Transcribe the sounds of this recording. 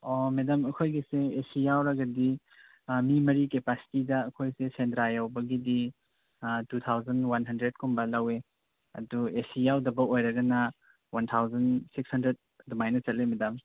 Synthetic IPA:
omedɐmɐkʰojɡiseesijawɾɐɡɐdi | mimɐɾikepasi̥tidɐːkʰojsesendɾajawbɐɡidi | tut̪ʰawzɐnwanɦɐndɾed̚kʰumbɐlɐwe | ɐ̰duesijawdɐbɐojɾɐɡɐnɐ | wantʰawzɐnsikshɐndɾed̚ | dumajnɐt͡ʃɐt̚limedam

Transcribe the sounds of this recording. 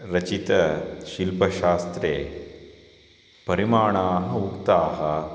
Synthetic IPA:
ɾɐt͡ʃit̪ɐʃilpɐʃaːst̪ɾeː | pɐɾimaːɳaːɦɐukt̪aːɦɐ

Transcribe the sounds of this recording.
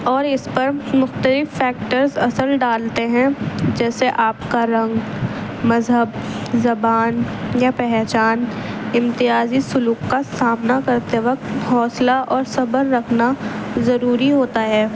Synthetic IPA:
ɔːɾɪspɐɾmʊxt̪əlɪfːɛːk̚ʈəɾzɐsəlɖaːlt̪eɦɛ̃d͡ʒɛːseʔaːpkaɾɐ̃ŋɡmɐzɦəbzɐbaːnjapɛɦt͡ʃaːnɪ̃mt̪ɪaːzisʊluːkːasaːmnakɐɾt̪eʋɐk̚t̪ɦɔːslaʔɔːɾsɐbəɾːɐkʰnazɐɾuːɾiɦoːt̪aɦɛː

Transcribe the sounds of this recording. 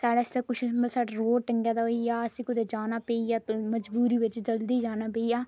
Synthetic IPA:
saːɽaːɪst̪aːkʊt͡ʃʰməsaːɖaːɾoːʈəŋɡjaːd̪aːɦoijaːəsĩːkʊd̪eːd͡ʒaːnaːpeːijaːt̪oməd͡ʒbuːɾiːʋɪt͡ʃd͡ʒəld̪iːd͡ʒaːnaːpeːijaː

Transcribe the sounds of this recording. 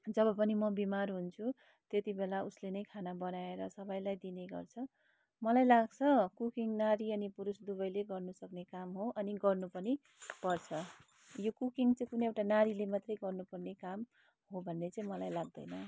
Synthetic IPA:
d͡zʌbʌpʌnimʌbimarɦunt͡sʰu | t̪et̪ibelauslenʌjkʰanabʌnaeɾʌsʌbʌjlajd̪ineɡʌ̰rt͡sʰʌ | mʌlajlaɡt͡sʰʌkukiŋnaɾiʌnipuɾusd̪ubʌjleɡʌrnusʌknekamɦoʔʌniɡʌrnupʌni | pʌrt͡sʰʌ | jokukiŋt͡sʌĩkunʌewʈanaɾilemat̪rʌjɡʌrnupʌrnekam | ɦobʱʌnːet͡sʌĩmʌlajlaɡ̚d̪ʌ̰jnʌ

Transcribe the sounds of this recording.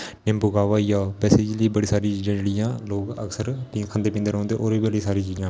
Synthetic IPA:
nɪmbʊɡaːʋaːjaːbɛːseːd͡ʒliːbəɽiːsaːɾiːt͡ʃiːd͡ʒãːd͡ʒeɽɪjãːloːɡəksəɾpĩːkʰənd̪eːpĩːnd̪eːɾɦõnd̪eːʔoːɾiːbəliːsaːɾĩːt͡ʃiːd͡ʒãː

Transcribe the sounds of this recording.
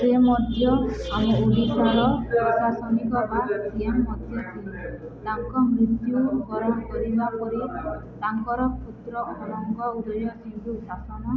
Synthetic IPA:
siemɔd̪ʱjɔameulisaɭɔɔsasɔnikɔbasiemːɔd̪ʱjɔt̪ʰin | t̪aŋkɔmɾit̪juɡɔɾɔmkɔɾibapɔɾit̪aŋkɔɾɔput̪ɾɔɔnɔŋkɔud̪ɔɾjɔsidusasɔnɔ

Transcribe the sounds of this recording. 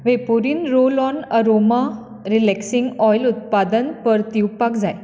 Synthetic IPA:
ʋepuɾiːnɾolɔnəɾoma | ɾilɛksiŋɡɔjlut̪̚pad̪ənpəɾt̪iwpakd͡zaj

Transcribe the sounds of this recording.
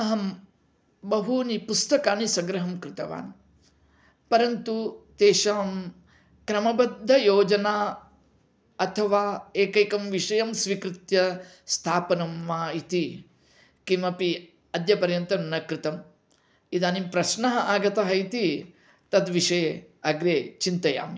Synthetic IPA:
ɐɦɐm | bɐɦunipust̪ɐkaːnisɐɡɾɐɦɐmkɾɪt̪ɐʋa̰ːn | pɐɾɐnt̪ut̪eːʃɐːm | kɾɐmɐbɐd̪ʱːɐjoːd͡ʒɐnaː | ɐt̪ʰɐʋaːeːkeːkɐmʋiʂɐjɐmsʋikɾɪt̪jɐ | st̪ʰaːpɐnɐmʋaːit̪i | kimɐpi | ɐd̪jɐpɐɾjɐnt̪ɾɐnnːɐkɾɪt̪ɐm | id̪aːnimpɾɐʃnɐɦɐʔaːɡɐt̪ɐɦɐit̪i | t̪ɐd̪ʋiʂɐ | ɐɡɾeːt͡ʃint̪ɐja̰ːmi

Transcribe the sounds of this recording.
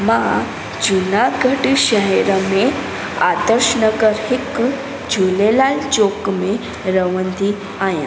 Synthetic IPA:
ma | d͡ʑunaɡʱəʈiɕəɦɛɾəme | ad̪əɾɕɳəɡəɾhik | d͡ʑʱulelalt͡ɕokme | ɾəʋənd̪i | ajã̰

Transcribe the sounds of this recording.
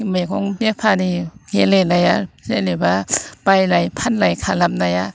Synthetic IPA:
majkʰɔŋbepʰaniɡelenajazelebab̥ajlajpʰanlajkʰalamnaja

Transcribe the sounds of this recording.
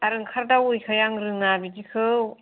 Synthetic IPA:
aɾɯŋkʰaɾdawujkʰajaŋɾɯŋabidikʰɯw

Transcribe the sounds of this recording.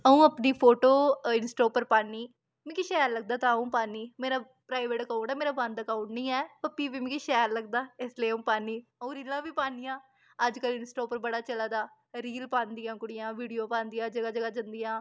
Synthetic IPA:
əũːəpniːpʰoːʈoːɪnsʈoːpəɾpaːniː | mɛ̃ːkiʃɛːɾləɡ̚d̪aːt̪ãːəũːpaːniːmeːɾaː | pɾaːɪʋeːʈəkaʊɳʈaːmeːɾaːbə̃nd̪əkaʊɳʈnĩːɛːpəpːiːʋiːmɛ̃kiʃɛːɾləɡ̚d̪aːɪsleːũːpaːniːəũːɾiːlãːʋiːpaːnijãː | əd͡ʒkəlɪnsʈoːpəɾbəɽaːt͡ʃəlaːd̪aː | ɾiːlpãːnd̪ijãːkʊɽɪjãːʋiːɖijoːpãːnd̪ijaːd͡ʒəɡaːd͡ʒəɡaːd͡ʒənd̪ijãː

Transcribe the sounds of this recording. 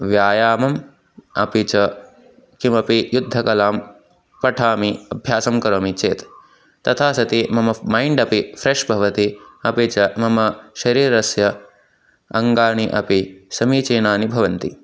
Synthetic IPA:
ʋjaːjaːmɐm | ɐ̰pit͡ʃɐ | kimɐpijud̪ʱːɐkɐlaːm | pɐʈʰaːmiɐbʱjaːsɐmkɐɾɐːmit͡ʃeːt̪ | t̪ɐt̪ʰaːsɐt̪imɐmɐmajɳɖɐpifɾeʂbʱɐʋɐt̪iɐpit͡ʃɐmɐmɐʃɐɾiːɾɐsjɐ | ɐŋɡaːɳ̃iʔɐ̰pisɐmiːt͡ʃeːnaːnibʱɐʋɐnt̪i

